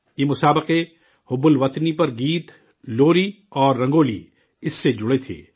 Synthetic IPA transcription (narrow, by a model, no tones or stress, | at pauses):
jeːmʊsaːbəqe | hʊbʊlʋɐt̪nipɐɾɡiːt̪ | loːɾi | ɔːɾːɐ̃ŋɡoːlḭ | ɪsːed͡ʒʊɽet̪ʰḛː